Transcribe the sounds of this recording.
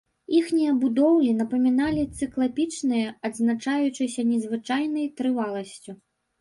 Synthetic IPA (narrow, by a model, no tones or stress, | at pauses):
ixnʲijɐbud̪ɔwlʲinɐpɐmʲinalʲit̪sɨklˠapʲit͡ʂnɨjɐɐd̪znat͡ʂajut͡ʂɨsʲɐnʲɛzvɨt͡ʂajnɐjt̪ɾɨvalˠɐsʲt͡sʲu